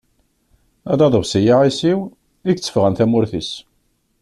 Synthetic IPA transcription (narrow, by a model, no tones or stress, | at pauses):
æd̪ɑðˤəvsijaʕisiw | iɡt͡sːə̥fʁænθæmʊɾθis